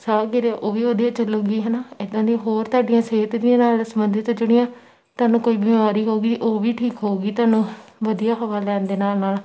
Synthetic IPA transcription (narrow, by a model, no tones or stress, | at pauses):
saːɡɪɾaʔoːʋiːoːd̪iãːt͡ʃəloːɡiːɦɛːnaːɪd̪ãːd̪ĩɦoːɾt̪aːɖijãːseːt̪d̪iãːnaːlsəmənd̪et̪ːd͡ʒʊɽ̃ɪjãː | t̪ʊaːnũːkoːiːbɪmaːɾiːɦoːɡiːʔoːʋiːʈʰiːkɦoːɡiːt̪ʊaːnũːʋəd̪ijaːɦəʋaːlɛ̃ːnd̪eːnaːlnaːl